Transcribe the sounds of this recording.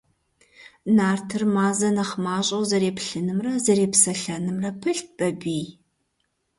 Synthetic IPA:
naːrtʰɨrmaːzɐnɐχmaːɕʼɐwzɐɾeːpɬɨnɨmrɐzɐɾeːpsɐɬɐnɨmrɐpʰɨɬt̚ʰb̥ɐbiː

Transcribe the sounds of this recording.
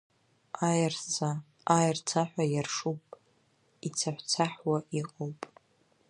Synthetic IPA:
rt͡sʰa | ajrt͡sʰaħʷᶣajarʂupʼ | it͡sʰaħʷt͡sʰaħwaʔiqʼowpʼ

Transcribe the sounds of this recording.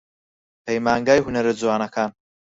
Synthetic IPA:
pʰejmaːŋɡaːjhunɐɾɨd͡zwaːnɐkʰaːn

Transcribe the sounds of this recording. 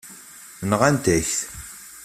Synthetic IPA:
nʁænt̪æçθ

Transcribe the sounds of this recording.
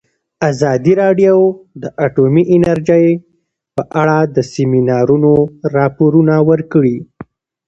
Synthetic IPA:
azɑd̪iɾɑɖjowd̪əʔaʈomiʔɪnaɾd͡ʒaj | pəʔaɽad̪əsɪminɑɾunoɾɑpoɾunawəɾkəɽi

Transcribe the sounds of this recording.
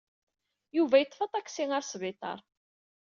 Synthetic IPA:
juvæjət̪ˤːfɑt̪ˤækːsiŋaɾsvɪt̪ˤɑ̰ɾˤ

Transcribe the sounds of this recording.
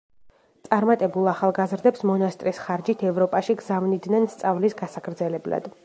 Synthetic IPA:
t̪sʼaɾmat̪ʼɛbulˠaχalˠɡazɾd̪ɛpsmɔnast̪ʼɾisχaɾd͡ʒit̪ʰɛvɾɔpʼaʃiɡzavnid̪nɛnst̪sʼavlisɡasakʰɾd̪zɛlɛbla̰d̪̥

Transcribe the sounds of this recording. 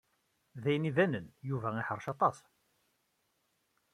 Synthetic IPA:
ðæjəniðænənjuvæɪħəɾˤʃɑt̪ˤɑs

